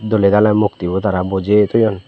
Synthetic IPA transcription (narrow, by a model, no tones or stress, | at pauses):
d̪oled̪alamuk̚t̪ibut̪aɾabɔd͡ʒet̪ɔjɔn